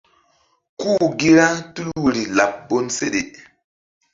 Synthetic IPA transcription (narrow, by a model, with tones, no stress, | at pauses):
kuː˦ɡi˦ɾa˦tu˦lwu˨ɾi˨la˨p̚bo˦nse˦ɗe˨